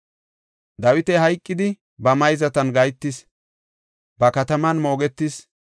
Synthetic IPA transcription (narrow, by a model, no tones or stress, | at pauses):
d̪ɐwɪt̪ɛhɐjkʼːɪd̪ɪ | bɐmɐjzɐt̪ɐnɡɐjt̪ːɪs | bɐkɐt̪ɐmɐnmo̞ːɡɛt̪ːɪs